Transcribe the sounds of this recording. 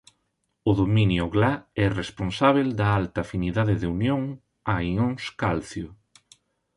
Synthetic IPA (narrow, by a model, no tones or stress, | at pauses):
ʊðominjʊɣlaɛresponsaβ̞eld̪ɐalt̪aːfiniðaðɪðeunjoŋ | aiŋoŋskalθjʊ